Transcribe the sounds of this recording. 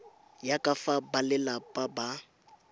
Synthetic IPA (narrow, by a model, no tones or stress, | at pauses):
jakʼafabalɛlapʼaba